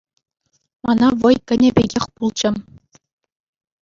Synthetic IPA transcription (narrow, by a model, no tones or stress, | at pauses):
mɑnɑʋɤ̆jkʲɘ̆nʲɘ̆bʲeɡʲexʲpulˠd͡ʑɘ̆